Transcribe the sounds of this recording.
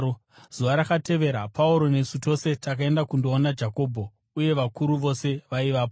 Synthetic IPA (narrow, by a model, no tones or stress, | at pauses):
z̥uʋaɾakate̞ʋe̞ɾapauɾo̞ne̞suto̞se̞takae̞ndakundoːnad͡ʒako̞ːbʱo̞ | uje̞ʋakuɾuʋo̞se̞ʋaiʋaːpo